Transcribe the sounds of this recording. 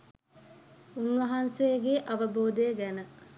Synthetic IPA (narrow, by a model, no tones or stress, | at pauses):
unʋɐɦansejəɡeʔaʋəboːd̪əjəɡænə